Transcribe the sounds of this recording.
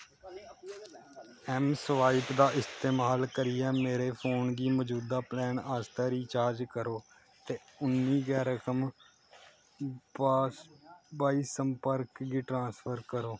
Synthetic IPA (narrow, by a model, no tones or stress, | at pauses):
ɛmsʋaːiːpd̪aːʔɪst̪eːmaːlkəɾɪjɛːmeːɾeːpʰoːnɡiːməd͡ʒuːd̪aːplɛːnaːst̪əːɾiːt͡ʃaːɾd͡ʒkəɾoː | t̪eːʊnːiːɡɛːɾəkəm | b | baːiːsəmpəɾkɡiːʈɾãːspʰəɾkəɾoː